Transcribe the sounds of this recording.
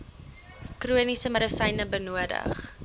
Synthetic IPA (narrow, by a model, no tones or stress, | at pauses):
kruənisəməɾəsɐjnəbənuədə̰χ